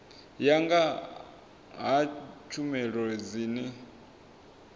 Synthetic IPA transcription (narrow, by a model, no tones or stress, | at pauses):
jaŋɡa | ɦat͡ʃʰumɛɺɔd͡ziːnɛ